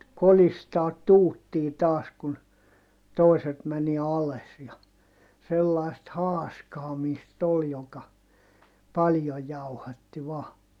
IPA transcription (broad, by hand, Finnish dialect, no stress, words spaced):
kolistɑːt tuːtːiː tɑːs kun toˑiset mæni ɑles jɑ selːɑi̯st hɑːskɑːmiːst ol jokɑ pɑljoj jɑuhɑtːi ʋɑː